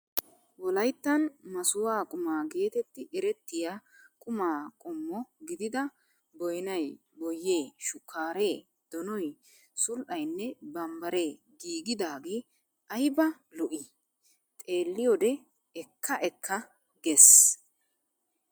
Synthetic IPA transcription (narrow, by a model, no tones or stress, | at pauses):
wɔlɐjt̪ːɐnmɐsʊwaːkʼʊmaːɡe̞ːt̪ɛt̪ːɪɪɾɛt̪ːɪja | kʼʊmaːkʼɔmːɔɡɪd̪ɪd̪ɐ | bɔjnɐj | bɔjːe̞ːʃʊkʰːaːɾe̞ː | d̪̥ɔnɔj | sʊlʔɐjnːɛbɐmbɐɾe̞ː | ɡiːɡɪd̪aːɡi | ɐjbɐ | lɔʔɪ | t̪ʼe̞ːlːɪjɔd̪ɛ | ɛkʰːɐʔɛkʰːɐ | ɡes